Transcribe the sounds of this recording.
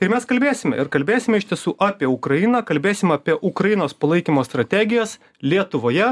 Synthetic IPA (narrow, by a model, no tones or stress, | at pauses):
ɪɾmʲɛskɐlʲbʲeːsʲɪmʲɛ̰ɪɾkɐlʲbʲeːsʲɪmʲɛɪʃt̪ʲiɛsuːʔɑːpʲiɛʊkɾɐɪnɑːkɐlʲbʲeːsʲɪmɑːpʲiɛʔʊkɾɐjɪnoːspɐlˠɐɪkʲimoːst̪ɾɐt̪ʲæɡʲɪjoːs | lʲiɛt̪ʊʋoːjɛ